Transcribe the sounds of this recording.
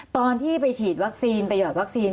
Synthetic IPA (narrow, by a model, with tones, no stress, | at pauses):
t̪ɔː˧nt̪ʰiː˥˩pa˧jt͡ɕʰiː˨˩t̪̚wa˦˥k̚siː˧npɾa˧jɔː˨˩wa˦˥k̚siː˧n